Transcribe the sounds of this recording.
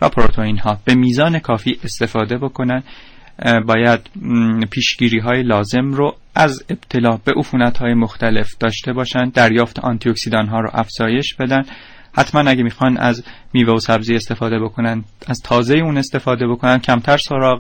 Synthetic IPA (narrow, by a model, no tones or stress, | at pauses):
væpʰɾot̪ʰoinɦɒːb̥e̞miːzɒːne̞kʰɒːfiːʔe̞st̪e̞fɒːd̪e̞bo̞kʰo̞nænd̪ | bɒːjæd̪̥pʰiːʃɟ̥iːɾiːɦɒːje̞lɒːze̞mɾo | ʔæzeb̥t̪ʰe̞lɒːbe̞ʔufuːnæt̪hɒːjemo̞xt̪æle̞fd̪̥ɒːʃt̪e̞bɒːʃænd̪æɾjɒːft̪ʰe̞ʔɒ̰nt̪ʰioksid̪ɒːnɦɒːɾo̰ʔæfz̥ɒːje̞ʃb̥e̞d̪ænd̪ | hæt̪ʰmænæɟemixɒnæ̰zmiːveosæbziːe̞st̪e̞fɒːd̪e̞bokʰo̞nænæzt̪ʰɒːze̞jeuːne̞st̪e̞fɒːd̪e̞bo̞kʰo̞nænd̪̚cʰæmt̪ʰæɾso̞ɾɒːɣ